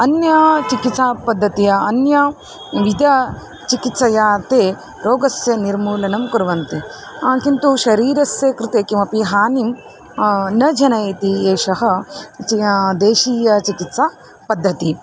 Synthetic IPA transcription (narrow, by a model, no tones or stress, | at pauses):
ɐnjɐt͡ʃikit̪sapɐd̪ʱːɐt̪ijɐɐnjɐ | ʋid̪ɐ | t͡ʃikit̪sɐjaːt̪eː | ɾoːɡɐsjɐniɾmuːlɐnɐmkuɾʋɐnt̪i | kint̪uʃɐɾiːɾɐsjeːkɾɪt̪eːkimɐpiɦaːnim | nɐd͡ʒʱɐnɐjt̪ieːʃɐɦɐ̆t͡ʃid̪eːʃiːjɐt͡ʃikit̪sa | pɐd̪ʱːɐt̪i